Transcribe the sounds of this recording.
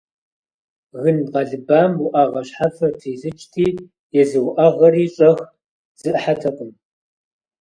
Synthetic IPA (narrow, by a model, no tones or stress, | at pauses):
ɣɨnqɑɮɨbaːmwʊʔɐʁɐɕħafɐtʰiːɬɨt͡ʃʼtʰiː | jɛzɨwʊʔɐʁɐɾiːɕʼɐx | z̥ɨʔħatʰɐqʼən